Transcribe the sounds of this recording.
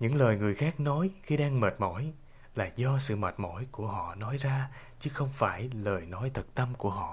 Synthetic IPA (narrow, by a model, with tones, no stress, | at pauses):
ɲɨ̰˧˥ŋləː˨˩jŋɨ˨˩əjxaː˦˥k̚nɔ˨˦jxi˧ɗaː˧ŋməː˨˩t̚mɔ̰˧˩˥j | la̰ː˨˩zɔ˧sɨ̰˧˨ma˨˩t̚mɔ̰˧˩˥jku˧˩əɦɔ̰˧˨nɔ˨˦jzaː˧ | t͡ɕɨ˨˦xə˧wŋ͡mfaː˧˩jləː˨˩jnɔ˨˦jt̪ʰə˨˩k̚t̪ə˧mku˧˩əɦɔ̰˧˨